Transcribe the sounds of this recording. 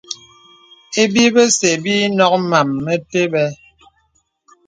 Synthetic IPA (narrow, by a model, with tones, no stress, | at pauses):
e˦bi˦bə˦se˨biː˦nɔ˦k̚ma˨mːə˦te˦bɛ˦